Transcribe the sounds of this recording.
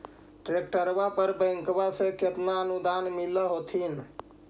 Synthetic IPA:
ʈɾek̚ʈəɾbapəɾbə̃ŋkbasẽket̪naənud̪anmiləɦot̪ʰin

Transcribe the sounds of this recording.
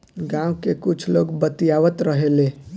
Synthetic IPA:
ɡãukekut͡ʃʰloɡbət̪ijaʋət̪ɾəɦele

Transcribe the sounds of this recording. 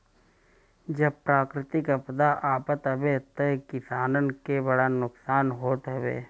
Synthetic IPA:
d͡ʒɐb̚pɾaːkɾɪt̪ɪkɐpd̪aʔaːpət̪ɦɐbet̪okɪsaːnənkebɐɽanʊksaːnɦoːt̪ɦɐbḛː

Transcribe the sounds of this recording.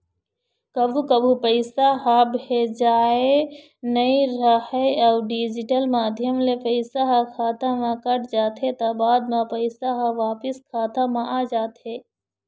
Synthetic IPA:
kɐbʱukəbʱupəɪsaɦabɦed͡ʒaːe | nəĩɾəhəaɖiːd͡ʒɪʈəlmaːd̪ʱjəmlepəɪsaɦakʰaːt̪amãkəʈd͡ʒaːt̪ɦet̪abaːd̪mãpəɪsaɦãʋaːpɪskʰaːt̪amãaːd͡ʒaːt̪ɦeː

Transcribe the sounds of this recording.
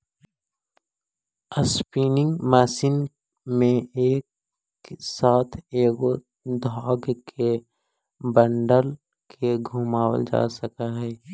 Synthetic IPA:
əspiːnɪ̃ŋɡmɛːsin | mẽeːk | saːt̪ʰeːɡo | d̪ʱaːɡkʰe | bəɳɖəl | kʰeɡʱuːmaːwə̰ld͡ʒa̰ːsəkaɦɛː

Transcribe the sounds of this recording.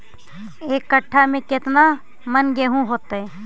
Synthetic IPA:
eːkːəʈʰːamẽkɪt̪na | mənɡeɦũɦoːt̪aɦɛː

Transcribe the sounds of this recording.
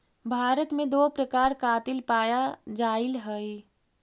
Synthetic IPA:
bʱaːɾət̪mẽd̪oːpɾəkaːɾkaːt̪ɪlpaːjad͡ʒaːɪlɦɛi

